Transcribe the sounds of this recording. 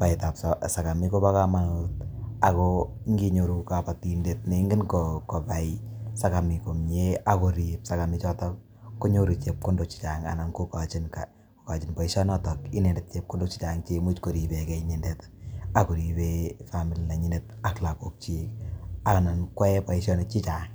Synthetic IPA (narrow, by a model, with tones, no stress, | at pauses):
pa˨ita˨pssa˨ka˨mi˦ko˦pa˦ka˦ma˦nut̚a˨kɔ | ŋɡi˦ɲo˨ɾuka˨pa˨tinde˨t̚ne˨˦ŋɡɪ˦nkɔkɔ˨pa˨isa˦ka˨mi˨ko˨mɲe˦a˦ko˨ɾipsaka˨mɪ˦t͡ʃɔ˦tɔk̚ | kːo˦ɲo˦ɾu˨t͡ʃe˨p̚ko˦ndo˨k̚t͡ʃi̥˨taŋa̰˨na˨nkoka˨t͡ʃɪ˦nka̰˨ | ko˨ka˨t͡ʃɪ˨npa˨i˦ʃɔ˦nɔ˦tɔki˦ne˨ndɛ˨t̚t͡ʃe˨p̚ko˦ndo˦k̚t͡ʃi˦t͡ʃa˨ŋt͡ʃe˦mu˦t͡ʃko˨ɾi˨be˨kɛ˨iɲi˨ndeta˨ko˨ɾi˨befami˨lina˨ɲɪ˦net̚a˨kla˨ko˨k̚t͡ʃika˨ka˨na˨nkwɛ˦pa˨iʃɔ˦ne˨t̚t͡ʃi˦t͡ʃa˨ŋ